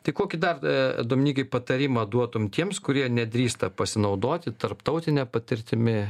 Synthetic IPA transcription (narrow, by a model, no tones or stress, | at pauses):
t̪ɐɪkoːkʲɪd̪ɐrɛ̰d̪oːmʲɪnʲiːkɐɪpɐt̪ɐɾʲɪmɐd̪uɔt̪ʊmt̪ʲiɛmskʊɾʲiɛnʲɛd̪ʲɾʲiːst̪ɐpɐsʲɪnɐʊd̪oːt̪ʲɪt̪ɐɾpt̪ɐʊt̪ʲɪnʲɛpɐt̪ʲɪɾʲt̪ʲɪmʲɪ